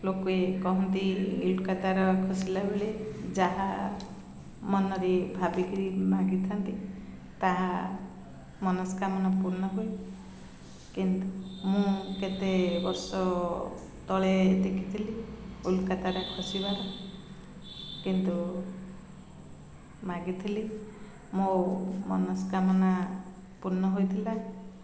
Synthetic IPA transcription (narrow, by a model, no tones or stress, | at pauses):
lokuekɔɦɔnt̪iulkat̪aɾɔkʰusilabeled͡ʒaɦa | mɔnɔɾibʱabikiɾimaɡit̪ʰɔnt̪i | t̪aɦa | mɔnɔskamɔnɔpuɾnɔɦoj | kint̪umũket̪ebɔɾsɔ | t̪ɔɭed̪ekʰit̪ʰiliulkat̪aɾakʰusibaɾɔ | kint̪u | maɡit̪ʰili | momɔnɔskamɔna | puɾnɔɦojt̪ʰila